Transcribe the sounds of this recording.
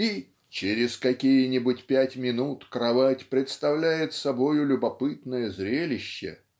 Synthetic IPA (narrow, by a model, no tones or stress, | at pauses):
i | t͡ɕeɾʲɪskɐkʲijənʲɪbʊtʲpʲætʲmʲɪnut̪kɾɐvatʲpɾʲɪt̪st̪ɐvlʲæjɪt̪sɐbo̞jʊlʲʊbɐpɨt̪nəjəzɾʲelʲɪɕːɪ̰